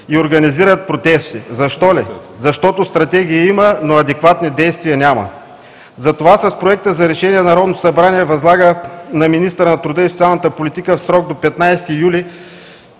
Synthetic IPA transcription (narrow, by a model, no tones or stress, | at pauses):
ioɾɡɐniziɾət̪̚pɾot̪ɛst̪izɐʃt̪ɔlizɐʃt̪ɔt̪ost̪ɾɐt̪ɛɡ̟ʲiːimənoɐd̪ɛkvat̪nid̪ɛjst̪viɐnʲamɐ̰ | zɐt̪ovasɐspɾoɛk̚t̪əzɐɾɛʃɛniɛnɐɾɔd̪noosɐbɾaniɛvɐzlˠaɡənɐminist̪əɾənɐt̪ɾʊd̪əisot̪ialˠnət̪əpolit̪ikəfsɾɔɡ̚d̪opɛt̪najst̪ijuli